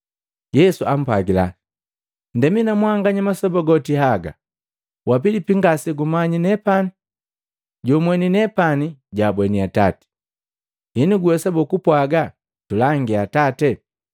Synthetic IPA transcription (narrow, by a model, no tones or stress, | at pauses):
jɛsuam̩paɡila̰ | ndɛminamwaŋɡaɲamasɔbɔɡɔtihaɡa̰ | wap̬ilipiŋɡasiɡumaɲinɛpani | ɟɔmwɛninɛpaniɟabwɛniata̰tɛ̥ | iniɡuwɛsabɔkupwaɡa | tulaŋɡiatatɛ